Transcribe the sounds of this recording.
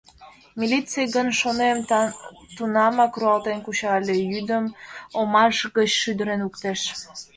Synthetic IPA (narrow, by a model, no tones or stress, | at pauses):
milʲitt͡sejɡənʃonem | t̪unɑmɑkruɑlt̪enkuɕɑlʲejyd̪əmomɑʃɣət͡ɕʃyd̪əɾenukt̪eʃ